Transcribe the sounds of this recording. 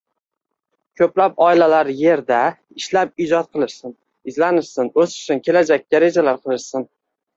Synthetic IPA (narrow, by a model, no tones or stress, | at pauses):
kʲʰɵplapɒɪlalaɾje̞ɾd̪a | ɪʃlap̚ɪd͡ʒɒt̪̚qʰɨlˠɪɾsɪn | ɪzlanɪʃsɪnɵsʊ̥t͡ʃ̪ɪnkʲʰe̞lad͡ʒakʲːaɾe̞d͡ʒalaɾqʰɨlˠɪʃsɪn